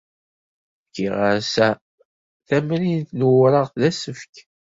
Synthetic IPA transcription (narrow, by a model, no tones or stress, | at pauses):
fkːḭʁaɾsæ | θæmɾinθnuwɾəʁθlæsəfk